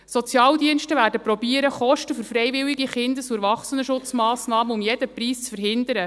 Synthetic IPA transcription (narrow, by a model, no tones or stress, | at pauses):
sɔt͡sjɑːld̪iənʃtəvæːɾdəpɾɔbiːəɾəχɔʃtəfɵɾfɾɛjʋɪwiɡiχɪnd̪əsuɛɾvɑχsənəʃʊt͡smɑːsnɑːməʊmjɛd̥̪əpɾiːst͡sfəɾɦɪnd̪əɾə